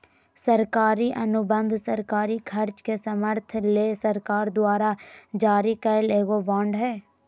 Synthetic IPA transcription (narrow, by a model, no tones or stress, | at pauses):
səɾkaːɾiʔɐnʊbə̃nd̪ʱsəɾkaːɾikʰɐɾt͡ʃkesɐməɾt̪ʰleːsɐɾkaːɾd̪waːɾad͡ʒaːɾikɐɾleːɡobãːɳɖɦɛː